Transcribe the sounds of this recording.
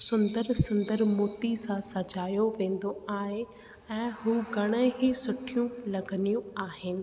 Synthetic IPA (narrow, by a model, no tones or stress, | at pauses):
sʊ̃nd̪əɾsʊ̃nd̪əɾmoːt̪isãsɐd͡ʑaːjoʋẽːn̆d̪oaːɦe | ɛ̃ːɦuːɡɐɽ̃əɦisʊʈʰijũlɐɡənijũaːɦɪnɪ̆